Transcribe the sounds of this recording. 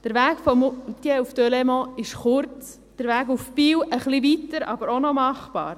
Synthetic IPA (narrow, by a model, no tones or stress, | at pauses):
d̥əɾʋæːɡ̥fɔmt̪jɛufd̥ølɛmɔ̃ɪʃχʊɾt͡s | d̥əɾʋæːɡufpiːwʔəχliʋitəɾɑ̰bəɾonɔmɑχpɑ̰ːɾ